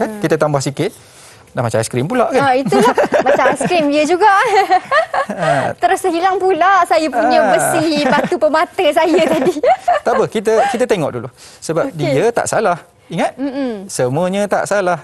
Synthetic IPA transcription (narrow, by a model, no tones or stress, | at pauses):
kankit̪ət̪ambahsikɪt̪̚ | damat͡ʃaaskɾimpulaʔkaaiulahmat͡ʃaskɾimiəd͡ʒuɡaʔ | t̪əɾʊsəɦilaŋpulaʔsajəpuɲəməsipat̪upəmat̪əsajət̪adit̪apəhkit̪əkit̪ət̪eŋɔ̰ʔdulu | səbap̚diət̪a̰ʔsalah | iŋat̪̚m̩m̩səmũəɲət̪a̰ʔsalah